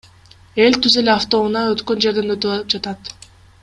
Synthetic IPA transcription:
e̞lʲt̪yzeleaft̪o̞unɑøt̪kø̞nd͡ʒe̞ɾd̪e̞nøt̪yβɑlˠɯp̚d͡ʒat̪ɑt̪

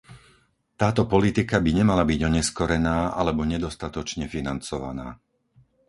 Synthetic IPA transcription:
t̪aːt̪ɔpɔlit̪ikabiɲɛmalabiɟɔɲɛskɔɾɛnaːʔalɛbɔɲɛd̪ɔst̪at̪ɔt͡ʃɲɛfinant͡sɔʋa̰na̰ː

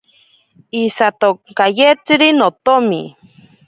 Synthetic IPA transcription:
isat̪okajet͡siɾinot̪omi

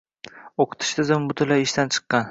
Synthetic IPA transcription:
oqʰɨ̥t̪ʰɪ̥ʃt̪ʰɪzɪmbʊt̪ʰɪlaɪʃt̪ant͡ʃʰɨ̥qːɑn

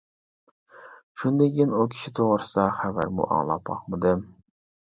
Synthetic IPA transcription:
ʃund̪ekʲinukʲʰi̥ʃit̪ʰoʁɾɨsd̪ɑχævæ̰ɾmʊ̰ʔɑ̰ŋlˠɑ̰pʰɑ̰qmɨd̪ɪ

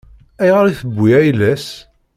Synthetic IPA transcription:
æjʁaɾiθəbʷːiæjlæs

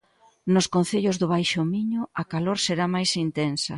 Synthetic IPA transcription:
nʊskonθeʎʊzðʊβ̞ajʃʊmiɲʊɐkaloɾseɾamajsint̪ensɐ̰

